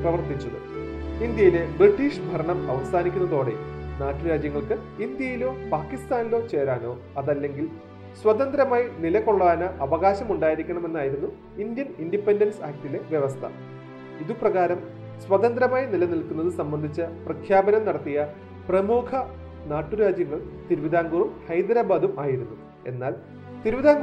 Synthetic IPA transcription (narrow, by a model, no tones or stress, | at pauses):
prɐʋɐrt̪it͡ɕːɐðɨ̰ | ind̪jɐjile̞briʈːiːʂbʱɐɾɐɳɐmɐʋɐsaːnikʲːunːɐðo̞ːɽe̞̰naːʈːɨɾaːd͡ʑjɐŋːɐɭkɨind̪jɐjilo̞ːpaːkːist̪aːnilo̞ːt͡ɕe̞ːɾaːno̞ː | ɐðɐlːe̞ŋɡil | swɐt̪ɐnd̪ɾɐmaːjinilɐko̞ɭːaːnɐʔɐʋɐɣaːɕɐmuɳɖaːjiɾikʲːɐɳɐme̞nːaːjiɾunːu | ind̪jɐnindipendɐnsaːk̚ʈile̞ʋjɐʋɐst̪ʰɐ̰ | iðuprɐɣaːɾɐm | swɐt̪ɐnd̪ɾɐmaːjinilɐnilkunːɐðɨsɐmbɐnd̪ʱit͡ɕːɐprɐkʰjaːbɐnɐmnɐɽɐt̪ːijɐ | prɐmuːkʰɐ | naːʈːuɾaːd͡ʑjɐŋːɐɭt̪iɾuʋid̪aːŋɡuːrumhɐjd̪ɾaːbaːd̪umaːjiɾunːu | e̞̰nːaːl | t̪iɾuʋid̪aːŋ